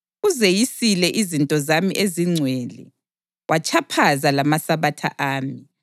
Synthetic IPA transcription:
uzejisilɛʔizintʼɔzamiʔeziŋ͡ǀʱwɛːlɛ̰ | wʔat͡ʃʰʼapʰazalamasaβatʰa̰ʔaːmi

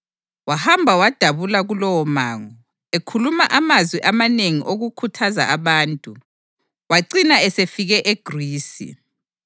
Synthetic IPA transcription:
wahambʱawad̥ʱaβulaɣulɔwɔmaːŋɔ | ekʰulumaʔamazwiʔamaneŋiʔoɣukʰutʰaza̰ʔaβaːntʼu | waǀinaɛsefiɣɛʔeɡ̥ʱriːsḭ

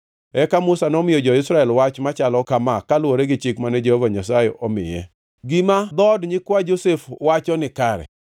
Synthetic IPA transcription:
ɛkamʊsanɔmɪjɔd͡ʒɔɪsɾaɛlwat͡ʃmat͡ʃalɔkamakalwoɾeɡɪt͡ʃɪkmanɛd͡ʒehovaɲasajɛʔɔmɪ̰jɛ | ɡimad̪ɔdɲɪkwad͡ʒosefwat͡ʃɔnɪkaɾɛ̰

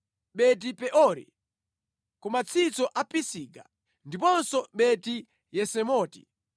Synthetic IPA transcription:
ɓɛt̬ipɛʔɔɾḭ | kumat͡sʰit͡sɔʔapisiːka | ndip̬ɔnsɔɓɛti | jɛsɛmɔːti̥̰

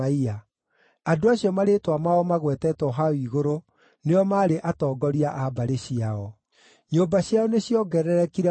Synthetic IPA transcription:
aia | adoaɕiɔmaɾetwamaɔmaɣwɛtɛtwɔɦaiɣoɾo | neɔmaːɾeʔatɔːɡɔɾiaʔabaɾeɕiaɔ | ɲoːmbaɕjaɔneɕjɔɡɛɾɛɾɛkiɾɛ

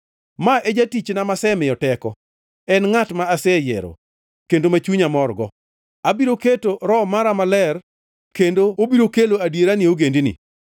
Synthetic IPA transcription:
maʔed͡ʒatit͡ʃnamasɛmɪjɔtɛkɔ | ɛnŋatmaːsɛjḛɾo̰ | kendomat͡ʃuɲamɔrɡɔ | abiɾoketoɾɔmaɾamalɛr | kendoobiɾokeloadjeɾanɪoɡendinḭ

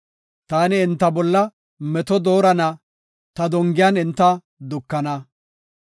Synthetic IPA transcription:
t̪aːnɪːnt̪ːɐbɔlːɐ | mɛt̪ɔd̪o̞ːɾɐnɐ | t̪ɐd̪ɔŋɡɪjɐnɪnt̪ːɐ | d̪ʊkːɐnɐ

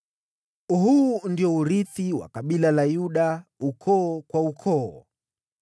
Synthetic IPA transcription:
uɦundiɔuɾiθiwa̰kaɓilalajuɗaukʰɔːkwaukʰɔɔ

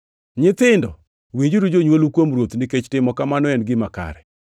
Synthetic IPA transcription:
ɲɪt̪ɪndɔ̰ | wid͡ʒuɾud͡ʒoɲwolukwomɾwot̪nɪket͡ʃtɪmɔkamanɔɛnɡɪmaka̰ɾɛ

